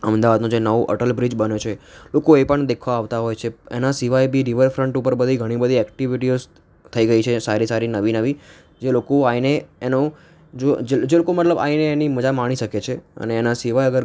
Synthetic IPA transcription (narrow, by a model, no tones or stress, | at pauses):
əmd̪aʋad̪nũd͡ʒenəʋuʔə̰ʈəlbɾid͡ʒbənjot͡ʃʰelokoepəɳd̪ekʰʋaaʋt̪aɦɔjt͡ʃʰeḛnasiʋajbʱiɾiʋəɾfɾəɳʈupəɾbəd̪ʱiɡʱəɽ̃ibəd̪ʱiɛkʈiʋiʈio | t̪ʰəiɡəit͡ʃʰesaɾisaɾinəʋinəʋi | d͡ʒelokoaineeno | d͡ʒod͡ʒed͡ʒelokomət̪ləba̰ineːniməd͡ʒamaɽ̃iʃəket͡ʃʰeə̰neːnasiʋajəɡəɾ